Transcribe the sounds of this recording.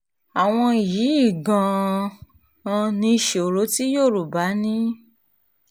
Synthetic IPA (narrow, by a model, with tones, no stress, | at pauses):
a˨w̃ɔ̃˧˨jiː˨˦i˦˨ɡã˨ | ã˧nĩ˧ʃe˨o˨ɾo˨˦ti˦joː˦˨ɾu˨ba˨˦nĩ˦